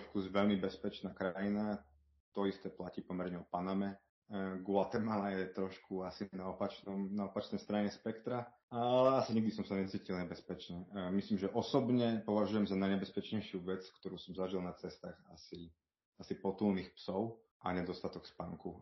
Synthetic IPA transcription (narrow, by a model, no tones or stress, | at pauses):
ɾɔʃkuzʋɛʎmibɛspɛt͡ʃnaːkɾajina | t̪ɔist̪ɛːplaciːpɔmɛɾɲɛɔpanamɛ | ɡʊat̪ɛmalajɛt̪ɾɔʃkuasinaɔpat͡ʃnɔmnaɔpat͡ʃnɛjst̪ɾaɲɛspɛkt̪ɾa | alɛasiɲiɡ̚d̪is̬ɔmsaɲɛt͡siːcilɲɛbɛspɛt͡ʃɲɛmislimʒɛʔɔsɔbɲɛpɔʋaʒujɛmzanaɲɛbɛspɛt͡ʃɲɛjʃɪuʋɛt͡skt̪ɔɾuːsɔmzaʒilˠnat͡sɛst̪aːxa̰si | asipɔt̪ulniːxpsɔʊ | ʔaɲɛd̪ɔst̪at̪ɔkspaŋku